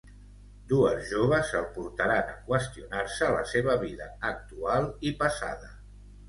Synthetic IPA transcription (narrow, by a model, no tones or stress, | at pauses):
d̪uəzʒoβ̞əzəlˠpuɾt̪əɾanə̰kwəst̪iunaɾsələseβ̞əβiðəːk̚t̪ualˠipəsa̰ðə